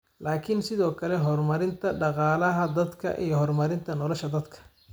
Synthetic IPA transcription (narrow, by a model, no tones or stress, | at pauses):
laːkʰɪnsɪðɔːkʰɐlɛɦɔrmɐɾɪnt̪ʰɐɖɑqɑːlɐɦɐd̪ɐd̪kʰɐ̰ʔḭjɞɦɔrmɐɾɪnt̪ʰɐnɔlɔʃɐd̪ɐd̪kʰɐ̥